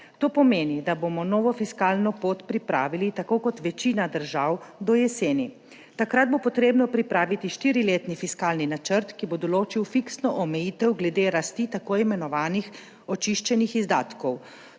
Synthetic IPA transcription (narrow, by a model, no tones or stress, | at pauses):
t̪oːpɔmeːnid̪aboːmɔnɔːʋɔfiskaːlnɔpoːt̪pɾipɾaːʋilit̪akoːkɔt̪ʋɛt͡ʃiːnad̪əɾʒawd̪ɔjɛseːni | t̪akɾad̪̚bopɔt̪ɾeːbnɔpɾipɾaːʋit̪iʃt̪iːɾileːt̪nifiskaːlninat͡ʃəɾt̪kibod̪ɔloːt͡ʃiwfiksnɔʔɔmɛjiːt̪ɛwɡlɛd̪eːɾast̪it̪akoimɛnɔʋaːnix | ɔt͡ʃiʃt͡ʃɛnixizd̪a̰ːt̪kɔw